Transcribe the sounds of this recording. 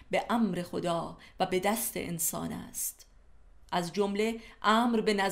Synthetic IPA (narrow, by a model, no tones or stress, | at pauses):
be̞ʔæmɾe̞xod̪ɒːvæbe̞d̪æst̪ʰḛʔḛnsɒ̰ːnæ̰st̪ | ʔæzd͡ʒomle̞ʔæːmɾbe̞næz